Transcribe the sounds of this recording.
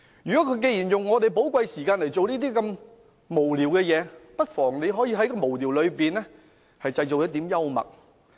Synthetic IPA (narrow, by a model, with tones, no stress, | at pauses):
jyː˨kɔ˨˥kʰɵ˨˧k̬e˧jiː˨˩njʊ˨ŋːɔː˨˧t̪e˨jpo˨˥wkʷwa˧jsiː˨˩kaː˧nle˨˩jt͡so˨wniː˥t̪iː˥kɐ˧m | mo˨˩wliː˨˩wkɛː˧jɛː˨˧pɐ˥t̚fɔː˨˩ŋne˨˧jɦɔː˨˥jiː˧ɦɐ˨˥jkɔː˧mo˨˩wliː˨˩wlɵ˨˧ɥpiː˨nlɛː˥ | hɐ˨jt͡sɐ˧jt͡so˨wjɔː˨˥t̪iː˨˥mjɐ˥wmɐ̰˨˩k̚